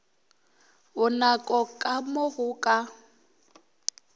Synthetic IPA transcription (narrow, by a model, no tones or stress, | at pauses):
ʊnakʼɔkʼamoɣʊkʼa